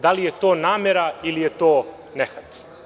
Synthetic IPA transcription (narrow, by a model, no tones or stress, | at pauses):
d̪alijet̪oːnaːmeɾailijet̪oː | nexat̪